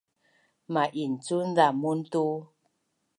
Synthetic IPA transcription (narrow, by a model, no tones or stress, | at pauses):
maʔin̩t͡sun̩d͡zamun̩tu